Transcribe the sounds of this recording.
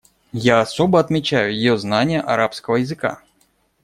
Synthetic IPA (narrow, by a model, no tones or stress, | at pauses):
jaːsobəɐt̪mʲɪt͡ɕæjʊjɪjoznanʲɪjəʔɐɾapskəvəjɪzɨka̰